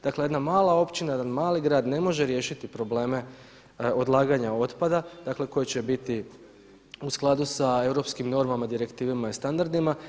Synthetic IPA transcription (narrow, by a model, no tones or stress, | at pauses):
d̪aklee̞d̪namaːlao̞pt͡ɕinaje̞d̪anmaːliɡɾaːd̪ne̞mo̞ʒe̞ɾje̞ːʃit̪ipɾo̞ble̞ːme̞ | o̞d̪lˠaːɡaɲao̞t̪pad̪ad̪akle̞ko̞jet͡ɕe̞bit̪i | usklˠad̪usae̞wɾo̞pskimno̞ɾmamad̪iɾe̞kt̪iːʋemaist̪and̪aɾd̪ima